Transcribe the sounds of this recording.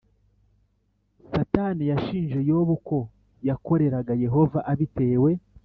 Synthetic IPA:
satanijaʃiːnʒe̞jo̞ːβuko̞ | jako̞ɾe̞ɾaɡaje̞ɦo̞vaʔaβite̞ːwe̞

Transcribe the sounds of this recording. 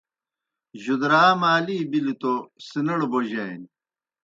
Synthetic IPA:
ʑud̪ɾaːmaːliːbilit̪osinɐɽboʑɐen

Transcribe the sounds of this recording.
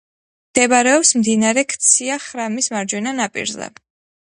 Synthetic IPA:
md̪̥ɛbaɾɛɔpsmd̪inaɾɛkʰt̪sʰiaχɾamismaɾd͡ʒwɛnanapʼḭɾzɛ̰

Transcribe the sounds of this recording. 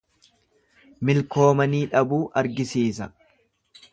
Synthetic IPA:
mɪlko̞ːmɐniːᶑɐbuːʔɐɾɡɪsiːsɐ

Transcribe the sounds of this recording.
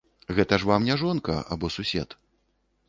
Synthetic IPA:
ɣɛt̪ɐʂvamnʲɛʐɔnkɐ̰a̰bɔsusʲɛt̪

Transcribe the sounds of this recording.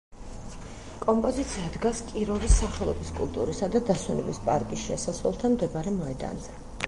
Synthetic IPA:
kʼɔmpʼɔzit̪sʰiad̪ɡaskʼiɾɔvisːaχɛlˠɔbiskʼṵlˠt̪ʼṵɾisad̪ad̪asɛnɛ̰bispʼaɾkʼisʃɛsasvɛlˠt̪ʰamd̪ɛbaɾɛmɔɛd̪a̰nzɛ

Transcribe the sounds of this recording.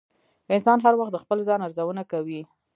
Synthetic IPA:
ɪnsɑnɦaɾwaxt̪̚d̪əxpəlzɑnaɾzawənakawi

